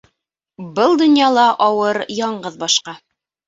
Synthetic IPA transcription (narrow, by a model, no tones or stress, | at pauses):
bɤlˠd̪ŏnjɑlˠɑʔɑwɤɾjɑɴɢɤðbɑʃqɑ